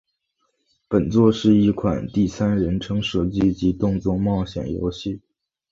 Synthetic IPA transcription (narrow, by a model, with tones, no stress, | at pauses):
pə˨˩nt͡swɔ˥˧ʂɻ̩˥˧i˥kʰwa̰˨˩nt̪i˥˩sa˥nɻə˧˥nʈ͡ʂʰɤ˥ŋʂo˧˩ʊt͡ɕi˥t͡ɕi˧˥t̪ʊ˥˧ŋt͡sʊ˥˧ŋmɑ˥˩ʊɕjɛ̰˨˩njo̰˧˥ʊɕi˥˩